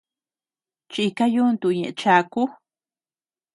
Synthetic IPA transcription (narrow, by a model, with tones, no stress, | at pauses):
t͡ʃi˧ka˦ju˦˧nt̪u˧˨ɲẽ˨ʔẽ˧t͡ʃa˧ku˦